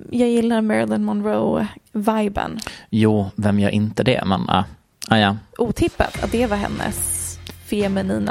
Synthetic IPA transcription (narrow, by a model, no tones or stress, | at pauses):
jɑːɡjɪlːaɾmɛɾlɪnmɔnɾoʊvajbə̰njuːvɛmjœ̰ːɾʔɪnt̪əd̪ɛ̰mɛ̰na̰ | ajaʔuːt̪ʰɪpːa̰t̪ʰat̪̚d̪ɛvaɦɛ̰nːə̰sfɪɛmɛniːna